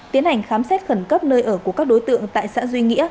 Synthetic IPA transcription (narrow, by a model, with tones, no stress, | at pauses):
t̪i˨˦ənha˨˩jŋ̟xaː˨˦msɛ˦˥t̚xə˧˩nkə˦˥p̚nəː˧jʔəː˧˩kku˩əkaː˦˥k̚ɗo˨˦jt̪ɨ̰˧˨əŋt̪a̰ː˧˨jsa̰ː˧˥zwi˧ŋḭ˧˥ə